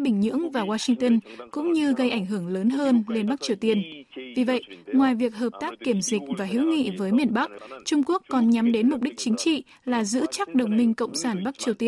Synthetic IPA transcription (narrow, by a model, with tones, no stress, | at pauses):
ɓï˧˩ŋ̟ɲɨ̰˧˥əŋvaː˨˩waː˧sï˧ŋt̪ə˧nkʊ̰˧˥ŋ͡mɲɨ˧ɣə˧jʔa˧˩jŋ̟ɦɨ˧˩əŋləː˨˦nɦəː˧nle˧nɓa˦˥k̚t͡ɕi˨˩əwt̪i˧ənvi˨˩və̰˧˨jʔŋwaː˨˩jvi˨˩ək̚ɦəː˨˩p̚t̪aː˦˥kːi˧˩əmzi˨˩k̟̚vaː˨˩ɦi˨˧˦wŋḭ˧˨vəː˨˦jmi˨˩ənɓa˦˥k̚t͡ɕʊ˧ŋ͡mku˦˥əkːɔ˨˩nɲa˨˦mɗe˨˦nmʊ˨˩k͡p̚ɗi˦˥k̚t͡ɕï˨˦ŋ̟t͡ɕḭ˧˨ | laː˨˩zɨ̰˧˥t͡ɕa˦˥k̚ɗə˨˩wŋ͡mmï˧ŋ̟kə̰˧˨wŋ͡msaː˧˩nɓa˦˥k̚t͡ɕi˨˩əwt̪i˧ə